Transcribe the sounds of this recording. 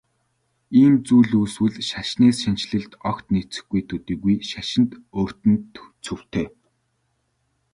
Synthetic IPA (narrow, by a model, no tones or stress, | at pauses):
iːmt͡suːɮuːswɘ̆ɮʃaʃneːsʃin̥t͡ɕɮɘ̆ɮt̪ɔkt̪nit͡sɘ̆xɡujt̪ʰɵt̪iːɣujʃaʃɪ̆nt̪oːr̥t̪ɘ̆nt̪t͡sʰɵw̥t̪ʰeː